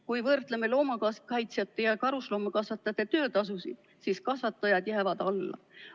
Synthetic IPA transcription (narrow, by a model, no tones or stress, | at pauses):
kujvɤrt̪leme̞lo̞ːmɑkɑskɑjt̪sjɑt̪ːˑejɑkɑɾuslo̞ːmɑkɑsvɑt̪ːˑɑt̪ːˑe̞t̪øːt̪ɑs̬usi̥ | siskɑsvɑt̪ːˑɑjɑd̪̥jæːvɑd̪̥ɑlːɑ̰